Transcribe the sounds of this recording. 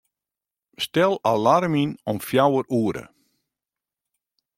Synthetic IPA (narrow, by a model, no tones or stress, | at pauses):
stɛlˠalaɾəminɔmfjawəruəɾə̰